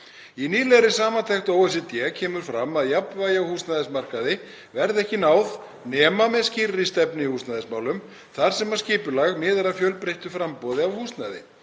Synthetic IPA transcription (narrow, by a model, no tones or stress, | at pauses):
iniːlɛɾɪsaːmant̪ʰɛxt̪owɛsɪt̪jɛːcʰɛːmʏɾ̥fɾamːaðjapnvaːjawhuːst̪naðɪsmar̥kaðɪ | vɛɾðɛhcɪnaːwð | nɛːmamɛðscirːɪst̪ɛpnɪihuːst̪naðɪsmaːwlʏm | θaɾ̥sɛmḁsciːpʏlaɣmɪːðɾafjœlpɾejht̪ʏfɾampɔːðɪavhuːst̪naðɪ̰